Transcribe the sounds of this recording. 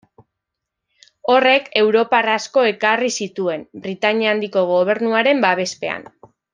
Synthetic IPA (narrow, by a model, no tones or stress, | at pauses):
o̞re̞ke̞wɾo̞parasko̞e̞karisit̪ue̞mbɾit̪aɲand̪iko̞ɣ̞o̞β̞e̞ɾnuaɾe̞mbaβe̞spe̞a̰n